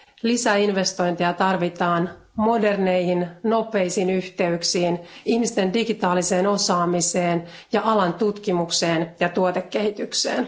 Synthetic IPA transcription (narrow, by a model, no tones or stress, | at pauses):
lisæinʋest̪o̞jnt̪eɑt̪ɑrʋit̪ɑːn | mo̞de̞rnejhinno̞pe̞ijsinyht̪e̞yksiːnihmist̪e̞ndiɡit̪ɑːlise̞ːno̞sɑːmise̞ːn | jɑʔɑlɑnt̪ut̪kimukse̞ːnjɑt̪uot̪ekːehit̪yksḛːn